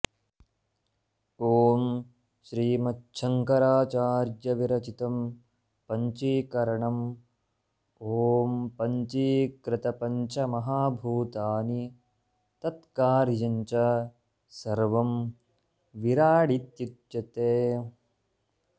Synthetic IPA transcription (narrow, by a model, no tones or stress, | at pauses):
oːm | ʃɾiːmɐtːʃʰɐŋkɐɾaːt͡ʃaːɾjɐʋiɾɐt͡ʃit̪ɐm | pɐɲt͡ʃikɐɾɐɳɐm | oːmpɐɲt͡ʃikɾɪt̪ɐpɐɲt͡ʃɐmɐɦaːbʱuːt̪aːni | t̪ɐt̪kaːɾid͡ʒɐɲt͡ʃɐ | sɐɾʋɐm | ʋiɾaːɽit̪jut̪jɐt̪eː